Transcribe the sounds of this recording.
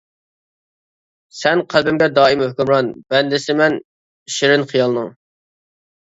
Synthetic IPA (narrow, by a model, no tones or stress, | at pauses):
sɛnqʰælˠbɪmɡʲɛd̪ɑːimhøkʲymɾɑnbɛnd̪ɪsɪmɛn | iʃɪɾɪnχijɑlˠnɨŋ